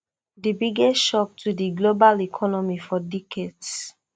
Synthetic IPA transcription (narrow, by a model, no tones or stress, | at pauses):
dibiɡɛsʃɔk̚tudiɡlobalikʰɔnɔmifɔdikʰɛts